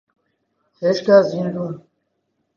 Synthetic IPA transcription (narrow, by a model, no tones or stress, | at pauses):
heːʃkaːziːnd̪uːn